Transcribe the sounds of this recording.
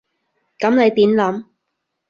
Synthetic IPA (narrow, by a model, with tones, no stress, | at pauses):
kɐ˨˥mle˨˧jt̪iː˨˥nlɐ˨˥m